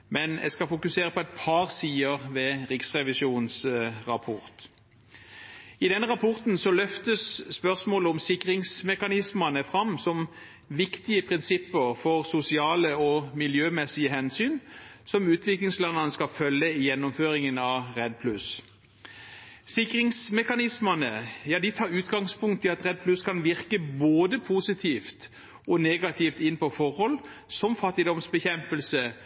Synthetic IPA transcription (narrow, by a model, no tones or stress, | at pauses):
mɛnɛ̰skɑfʊkʉseːʁəpʰɔɛt̪̚pʰɑʁsiːəʁʋɛʁɪksʁɛʋɪsuːnsʁɑpʰɔʁt̪ | ɪd̪ɛnːʁɑpʰɔʁt̪n̩sɔlœft̪əsːpœʁsmoːləɔmsɪkʁɪŋsmɛkɑnɪsmɑnəfʁɑmsɔm | ʋɪkt̪ɪəpʰʁɪnsɪpːəʁfɔʁsʊsɪɑːləɔmɪljøːmɛsɪəhɛnsyːnsɔmʉːt̪ʰʋɪklɪŋslɛnɑnəskɑfœlːəɪjɛnːʊmføːɾɪŋənɑʁɛd̪̚pʰlʉs | sɪkʁɪŋsmɛkɑnɪsmənəjɑːd̪ɪt̪ʰɑːɾʉːt̪ɡɑŋspʊŋkt̪ʰːɪlɑt̪ʁɛd̪̚pʰlʉskʰɑnʋɪʁkəboːd̪əpʰusɪt̪ʰiːft̪ | ɔneːɡɑt̪ʰift̪ɪnːpɔfɔʁhɔl | sɔmfɑt̪ːɪd̪ɔmsbəçɛmpəlsə